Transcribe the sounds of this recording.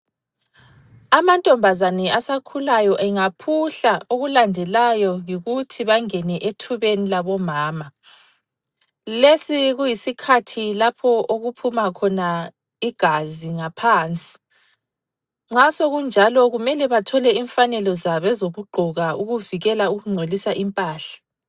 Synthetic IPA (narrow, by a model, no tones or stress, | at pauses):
amantʼɔmbʱazanɛasakʰulajɔʔɛŋapʰuɬaoɣulandʱɛlajɔjiɣutʰiβaŋɛnɛʔetʰuβenilaβɔmaːma | lesiɣujisikʰatʰilapʰɔʔoɣupʰumakʰɔna | iɡ̥ʱaziŋapʰaːnt͡sʼi̥ | ŋ͡ǁasoɣund͡ʒʱalɔɣumɛlɛβatʰɔlɛiɱfanɛlɔzaβɛzoɣuɡ͡ǃʱɔɣauɣuviɣɛlauɣuŋ͡ǀʱolisaʔimpʼaːɬḁ